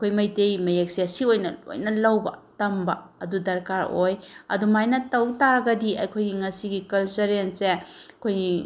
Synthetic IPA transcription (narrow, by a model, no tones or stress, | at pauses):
ɐkʰojmɐjtejmɐjek̚siasiojnɐo̰jnɐlɐwbɐ̰tɐmbɐɐdudɐɾkaɾojɐ̰dumajnɐtɐwtaɾɐɡɐdiɐ̰jkʰojɡiŋɐsiɡikɐlsɐɾenseɐkʰoji